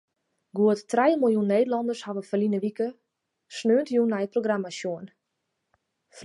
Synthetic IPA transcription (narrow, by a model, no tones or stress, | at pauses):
ɡuətːrɛjəmɪlˠjunːeːdəlɔndərshaʋəfəlinəʋikə | snøəntjunɛjət̚proɡramasjuən | f